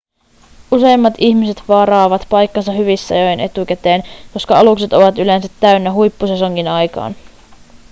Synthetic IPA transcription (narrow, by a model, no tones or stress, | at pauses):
use̞jmːɑt̪içmise̞t̪ʋɑɾɑːʋɑt̪pɑjkːɑnsɑɦyʋisːɑ̰jojenʔe̞t̪ukæt̪e̞ːnko̞skɑɑlukse̞t̪o̞ʋɑt̪ylensæt̪ːæynːæɦujpːuseso̞ŋːinɑjkɑ̰ːn